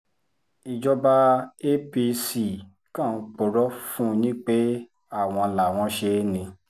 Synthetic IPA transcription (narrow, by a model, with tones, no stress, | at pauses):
i˨d͡ʒɔ˧ba˧e˦pi˧si˨ | kã˦˨n̩˧˦˧k͡po˨ɾɔ˦fũ˦nĩ˦k͡pe˦ | a˦˨w̃ɔ̃˧la˨w̃ɔ̃˧˦ʃe˧˦nĩ˧